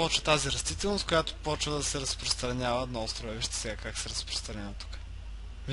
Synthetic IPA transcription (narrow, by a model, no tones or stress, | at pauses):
ɔt͡ʃvət̪aziɾɐst̪it̪ɛlˠnost̪kojat̪o̥pɔt͡ʃvəd̪ɐsɛɾɐspɾost̪ɾɐnʲavəɛd̪nɔɔst̪ɾovɛviʃt̪ɛ̥sɛɡakaksɛɾɐspɾo̥st̪ɾɐnʲavət̪u̥kə̥ | v